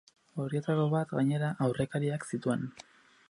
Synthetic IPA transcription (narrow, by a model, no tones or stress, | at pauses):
o̞ɾiet̪akoβat̪ɣaɲe̞ɾaʔawre̞kaɾiaksit̪ue̞n